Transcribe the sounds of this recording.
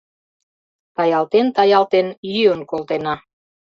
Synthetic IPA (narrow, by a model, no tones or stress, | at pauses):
t̪ɑjɑlt̪ent̪ɑjɑlt̪enjyjənkolt̪enɑ